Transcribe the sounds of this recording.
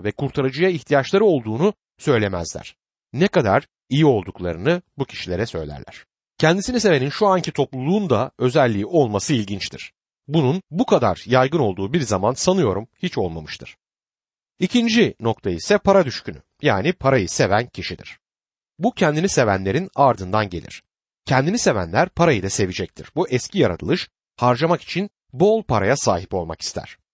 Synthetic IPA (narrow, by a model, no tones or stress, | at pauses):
vɛkʰuɾt̪ʰaɾad͡ʒɯjaiçt̪ʰijat͡ʃlˠaɾɯo̞lˠd̪uːnu | sø̞jlʲe̞mæ̰zlʲæ̰ɾ̥ | nɛkad̪a̰ɾ | ijio̞lˠd̪uklˠaɾɯnɯbucʰi̥ʃilʲe̞ɾɛsø̞̰jlʲæ̰ɾlʲæ̰ɾ̥ | cʰɛnd̪isinis̬e̞ve̞ninʃuaɲcit̪ʰo̞plˠulˠuːnd̪aø̞zælʲːiːʔo̞lˠmasɯilʲɟint͡ʃt̪ʰiɾ̥ | bununbukʰad̪a̰ɾ̥jajɡɯno̞lˠd̪uːbiɾzamansanɯjo̞ɾumhit͡ʃo̞lˠmamɯʃt̪ʰɯɾ̥ | icʰind͡ʒino̞k̚t̪ʰaisɛpʰaɾad̪yʃcyny̰ | jaːnipʰaɾajɯse̞væncʰiʃid̪ḭɾ̥ | bucʰɛnd̪inise̞væ̰nlʲe̞ɾinaɾd̪ɯnd̪anɟe̞̰lʲḭɾ̝̥ | cʰɛnd̪inise̞væ̰nlʲæɾpʰaɾajɯd̪ase̞vid͡ʒɛc̚t̪ʰḭɾ̥buʔɛscijaɾa̰t̪ʰɯlˠɯʃ | haɾd͡ʒamaki̥t͡ʃʰin | bo̞lˠpaɾajasa̰ːɦipo̞lˠma̰ki̥st̪ʰæ̰ɾ̥